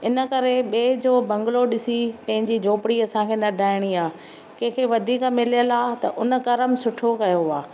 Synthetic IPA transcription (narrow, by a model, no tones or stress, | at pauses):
ɪnə̆kɐɾeɓeːd͡ʑoːbɐ̃ŋɡɪloɗɪsipɐ̃ɦɪ̃ɲd͡ʑid͡ʑʱoːpɪɽiɐsãkʰeːnɐɖʱaːɪɽ̃iaː | kẽɦkʰeʋɐd̪ʱiːkmɪlijəlaːt̪ɐ̰ʔʊnə̆kɐɾəmsʊʈʰokɐjoaː